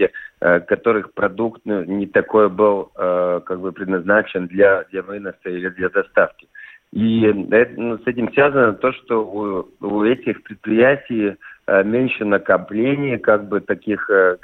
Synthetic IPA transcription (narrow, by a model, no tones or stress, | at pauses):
ɪkɐt̪o̞ɾɨxpɾɐd̪ukt̪nunʲɪt̪ɐko̞jəbɨlˠkaɡ̚bɨpɾʲɪd̪nɐznat͡ɕɪnd̪lʲɐd̪lʲɐvɨnəsəilʲɪd̪lʲɐd̪ɐst̪afkʲɪ̥ | iɛt̪ənusɛtʲɪmsvʲazənət̪o̞ʂt̪o̞uuɛtʲɪxpɾʲɪt̪̚pɾʲɪjætʲɪjmʲenʲʂɨnəkɐplʲenʲɪjəkaɡ̚bɨt̪ɐkʲix